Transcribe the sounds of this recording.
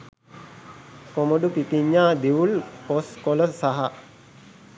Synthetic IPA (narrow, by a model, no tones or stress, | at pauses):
komoɖupipiɲːaːd̪iulposkoləsaɦa